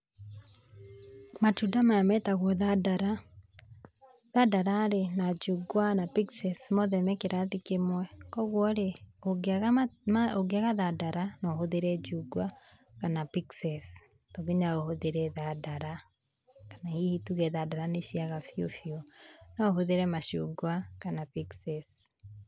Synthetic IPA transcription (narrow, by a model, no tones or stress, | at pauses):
matudamaamɛtaɣwɔðadaɾa | ðadaɾaɾenad͡ʒuɡwanapiksɛsmɔðɛmɛkeɾatikemwɛkɔɣwɔɾeoɣ | oɡeaɣaðadaɾanohoðeɾɛd͡ʒuɡwa | kanapiksɛs | toɣeɲaohoðeɾɛðadaɾa | kḁnaihituɣɛðadaɾaneʃiaɣafjofionaoɦoðeɾɛmaʃṵɡwakanapiksɛs